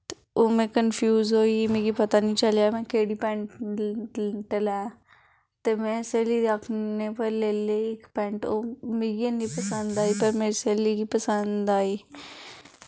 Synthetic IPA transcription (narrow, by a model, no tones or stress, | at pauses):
oːmɛ̃ːkənfʰjuːzɦoːimẽːɡipət̪anĩːt͡ʃəljaːmɛ̃keːɽiːpɛ̃ːɳʈ | ʈəlaː | t̪emɛ̃ːseːliakʰneːpəɾleːleɪkpɛ̃ːɳʈomeɡinipəsə̃nd̪aːɦipəɾmeːɾeseːliɡipəsə̃nd̪d̪aːɦiː